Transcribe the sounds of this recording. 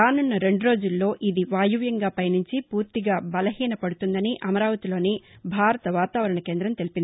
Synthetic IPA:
aːnunːɐɾe̞ɳɖuɾo̞ːd͡ʒulːo̞ːʔʔid̪iʋaːjuʋjɐŋɡaːpɐjnuɲt͡ʃipuːɾt̪iɡaːbɐlɐɦiːnɐpɐɽut̪und̪ɐniʔɐmɐɾaːʋɐt̪ilo̞ːnibʱaːɾɐt̪ɐʋaːt̪aːʋɐɾɐɳɐke̞ːnd̪ɾɐmt̪e̞lipind̪i

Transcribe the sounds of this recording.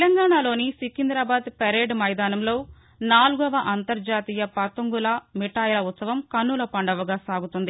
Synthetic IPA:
t̪lɐŋɡaːɳaːlo̞ːnisikind̪ɾaːbaːd̪peɾeːɖmɐjd̪aːnɐmlo̞ː | naːluɡɐʋɐʔɐnt̪ɐɾd͡ʒaːt̪iːjɐpɐt̪uŋɡulɐmiʈaːjlɐut̪sɐʋɐmkɐnːulɐpɐɳɖɐʋɐɡaːsaːɡut̪und̪i

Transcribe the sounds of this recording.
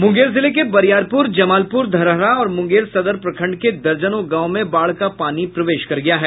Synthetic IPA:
mʊ̃ŋɡeːɾzɪlek̬ebɐɾjaːɾpʊɾd͡ʒɐmaːlpʊɾd̪ʱɐɾəɦɾaɔːɾmʊ̃ŋɡeːɾsɐd̪əɾpɾɐkʰə̃ɳɖked̪ɐɾd͡ʒənõɡãːʊmẽbaːɭkapaːnipɾɐʋeːʃkɐɾɡɐjaɦɛː

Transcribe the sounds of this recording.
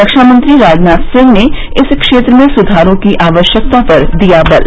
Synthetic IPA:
əkʃaːmə̃nt̪ɾiɾaːd͡ʒnaːt̪sɪ̃ŋne | ɪskʃeːt̪ɾəmẽsʊd̪ʱaːɾõkiʔaːʋəʃjək̚t̪apɐɾd̪ijabɐl

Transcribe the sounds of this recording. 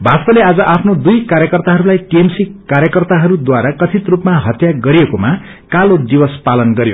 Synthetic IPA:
bʱast̪ʌlead͡zʌʔapʰnod̪ujkaɾjʌkʌrt̪aɦʌɾulajʈiemsikkːaɾjʌkʌrt̪aɦʌɾud̪waɾakʌt͡sʰit̪rupmaɦʌt̪jaɡʌɾijekoma | kalod̪ibʌspalʌnɡʌɾjo̰

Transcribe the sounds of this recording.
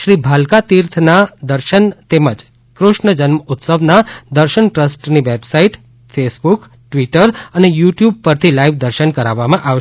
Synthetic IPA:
ʃɾibʱalkat̪iɾt̪ʰnad̪əɾʃənt̪eməd͡ʒ | kɾʊʃɳəd͡ʒənməut̪səʋnad̪əɾʃəɳʈɾəsʈniʋebsaiʈ | fesbuk | ʈʋiʈəɾənejuʈjub̚pəɾt̪ʰilaiʋd̪əɾʃənkəɾaʋːamãʔaʋʃ

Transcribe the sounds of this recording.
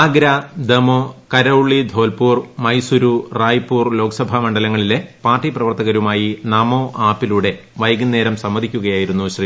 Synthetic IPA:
aːɡɾɐd̪emokɐɾɐuɭːid̪ʱo̞ːlpuːrmɐjsuɾuraːjpːuːrlo̞ːkɐsɐbʱɐmɐɳɖɐlɐŋːɐɭilepaːrʈːiprɐʋɐrt̪ɐɣɐɾumaːjinɐmo̞ːʔaːpːiluɽe̞ | ʋɐjɡɐnːe̞ːɾɐmsɐmːɐd̪ʱikʲːuɣɐjaːjiɾunːuɕri

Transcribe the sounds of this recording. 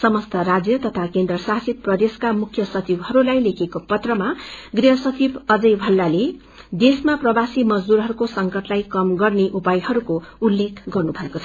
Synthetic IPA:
sʌmʌst̪ʌɾad͡zjʌt̪ʌt̪ʰakend̪rʌsasit̪̚prʌd̪eskamukʰjʌsʌt͡sibɦʌɾulajlekʰekopʌt̪rʌmaɡriɦʌsʌt͡sibʌd͡zʌjbʱʌlːale | d̪esmaprʌbasimʌd͡zd̪uɾɦʌɾukosʌŋkʌʈlajkʌmɡʌrneʔupajɦʌɾukoulːekʰɡʌrnubʱʌekot͡sʰʌ

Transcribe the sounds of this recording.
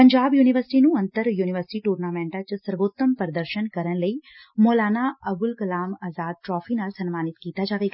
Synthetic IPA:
pɐɲd͡ʒaːbjuːniʋəɾsɪʈinũɐ̃nt̪əɾjuːnɪʋəɾsɪ̥ʈiʈuːɾnaːmɛ̃ːɳʈãt͡ʃsɐɾʋoːt̪ːəmpəɾəd̪əɾʃənkɐɾənləimɔːlaːnaɐbʊlkɐlaːmaːzaːd̪̚ʈɾɔːfʰinaːlsɐnmaːnɪt̪kiːt̪ad͡ʒaːʋeːɡa

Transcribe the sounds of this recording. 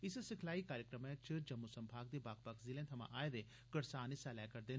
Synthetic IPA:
ɪssɪkʰlaːiːkaːɾjəkɾəmɛ̃t͡ʃəd͡ʒɐmːusəmbʰʱaːɡ̚d̪eːbaːk̚pəkʰzɪlẽːt̪ʰɐmã̰ʔaːed̪e | kəɽsaːnisɛːlɛːkəɾd̪eːn

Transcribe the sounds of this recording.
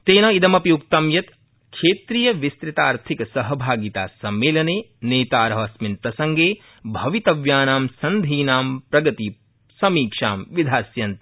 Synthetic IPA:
t̪eːnɐid̪ɐmɐpjuk̚t̪ɐmjɐt̪ | kʰʃeːt̪ɾijɐʋist̪ɾit̪aːɾt̪ʰikɐsɐɦɐbʱaːɡit̪a̰ːsɐmːeːlɐneː | neːt̪aːɾɐɦɐsminpɾɐsɐŋɡeː | bʱɐʋit̪ɐʋjaːnaːmsɐnd̪ʱiːnaːmpɾɐɡɐt̪i | sɐmiːkʂaːmʋid̪ʱaːsjɐnt̪

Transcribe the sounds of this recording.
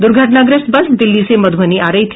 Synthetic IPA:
d̪ʊɾɡʱəʈnaɡɾɪsbɐsd̪ɪlːisemɐd̪ʱəniʔaːɾɐɦit̪ʰ

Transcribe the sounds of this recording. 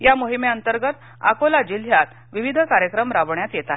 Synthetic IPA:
jamoɦimeənt̪əɾɡət̪ | a̰kolad͡ʑiljat̪ | ʋiʋid̪ʱəkaɾjəkɾəmɾaʋɳjat̪jet̪aɦe

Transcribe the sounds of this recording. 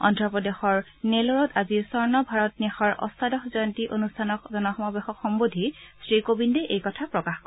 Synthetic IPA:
ɔ̰ntɹɔpɹɔdexɔɹ | nelɔɹɔtazisɔɹnɔbʱaɹɔt̚nixɔɹʔɔ̰stʰadɔxzɔjntiʔonustʰanɔkzɔnɔxɔmɔbexɔkxɔmbodʱisɹikobindɛʔejkɔtʰapɹɔkaxkɔ

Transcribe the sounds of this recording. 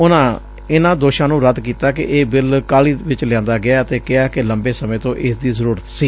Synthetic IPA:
ʊnãː | ɪnãːd̪oːʃãːnũːɾəd̪kiːt̪aːkɪ̰ʔeːbɪlkaːliːʋɪt͡ʃlɪjãːnd̪aːɡɪaːət̪eːkɪaːkɪləmbeːsəmẽːt̪õːʔɪsd̪iːzəɾuːɾət̪siː

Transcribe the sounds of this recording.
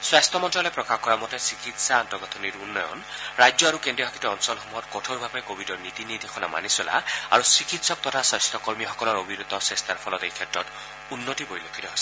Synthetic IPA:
swast̪ʰɔmɔntɔlɔjpɹɔkaxkɔɹamɔtesikitsaɔntɔɡɔt̪ʰɔniɾunːɔjɔ̰nɹajd͡ʒjɔaɹukendɹibʱakʰitɔɔnsɔlxɔmuɦɔtkɔtʰɔɹbʱapajkobʱidɔɹnit̪inid̪ʱexʰɔnama̰nisɔla̰a̰ɹusikitsɔk̚t̪ɔtʰasast̪ʰɔkɔɹmixɔkɔlɔɹobʱiɾud̪ɔsɹest̪ʰaɹpʰɔlɔt̪ejkʰɛtɹɔt | unːotibojlokʰit̪ɔɦɔs

